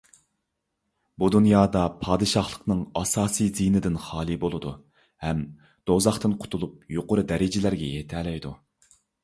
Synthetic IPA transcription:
bud̪unjɑːd̪ɑpʰɑːd̪ɨʃɑχlˠəqnɨŋɑsɑːsijzinɪd̪ɪnχɑːlˠɨbolˠɨd̪u | hɛm | d̪̥ozɑχt̪ɨnqʰʊ̥t̪ʰulˠup̚joqʊɾɨd̪ɛɾɪd͡ʒɪlæɾɡʲɛjet̪ʰɛːlɛjd̪u

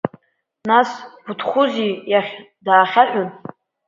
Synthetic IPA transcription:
nasbʊtʰχʷʊzijaχʲ | daːχʲaħʷᶣʊn

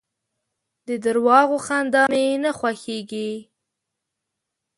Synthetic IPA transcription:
d̪əd̪əɾwɑɣoxand̪ɑmenaxwaxeɡi

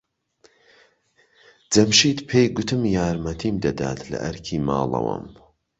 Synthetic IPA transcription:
d͡zɐmʃiːt̪pʰejɡʊt̪ʰɨmjaːɾmɐt̪ʰiːmd̪ɐd̪a̰ːt̪lɐ̰ʔɐɾkʰiːma̰ːlˠɐ̰wɐ̰m

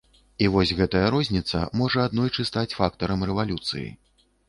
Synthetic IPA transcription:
ivɔsʲɣɛt̪ɐjɐɾɔzʲnʲit̪sɐ̰mɔʐɐad̪nɔjt͡ʂɨst̪at͡sʲfak̚t̪ɐɾɐmrɛvalʲut̪sɨ̰jḭ

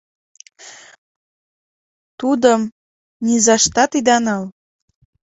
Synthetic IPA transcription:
t̪ud̪əm | nizɑʃt̪ɑt̪id̪ɑnɤl

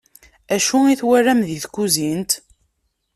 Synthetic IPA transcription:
æʃuiθwærːæmðiθkːuzint̪

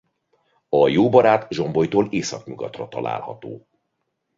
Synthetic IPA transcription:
ɒjoːbɒɾaːt̪ʒo̞mbo̞jt̪oːleːsɒkɲuɡɒ̰t̪rɒt̪ɒlʔa̰ːlhɒ̰t̪oː

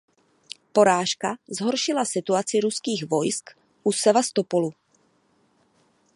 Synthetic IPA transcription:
po̞ɾaːʃkazɦo̞ɾʃɪlasɪt̪uat͡sɪɾuskiːɣvo̞jsk | ʔusɛvast̪opolu

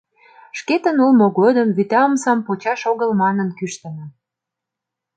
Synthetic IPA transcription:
ʃket̪ə̆nulmoɣod̪əmβyt̪ɑəmsɑmpot͡ɕɑʃoɣəlmɑnənkyʃt̪ə̆nə̆

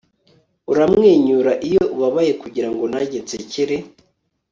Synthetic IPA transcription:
uɾamŋeːɲuɾaʔijoʔuβaβaje̞kuɟiɾaŋɡo̞naɟet͡seciɾe

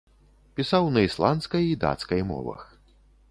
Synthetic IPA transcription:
pʲisawnɐislˠant̪skɐjid̪a̰t̪skɐjmɔ̰vɐ̰x

